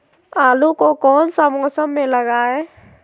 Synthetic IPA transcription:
aːlukokɔːnsamɔːsəmːeləɡaːe

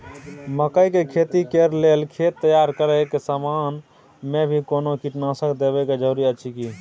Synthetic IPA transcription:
məkəjkekʰet̪ikeɾlelkʰet̪ːəjaɾkəɾəkesaman | mebʱikonokiʈnasəkd̪eβɛked͡ʒəɾuɾiət͡ʃʰiki

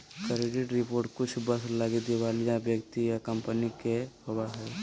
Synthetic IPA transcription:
kəɾeɖɪʈɾɪpoːɾʈkʊt͡ʃʰbəslaːɡid̪eʋaːlijabjəkt̪ijakɐ̃mpənikepəbəɦɛ

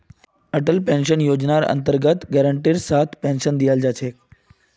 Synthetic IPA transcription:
əʈəlpẽnɕənjod͡ʑnaɾə̰nt̪əɾɡət̪ɡɛɾəɳʈiːɾsat̪ʰpẽnʃənd̪ijald͡ʑat͡ɕʰek

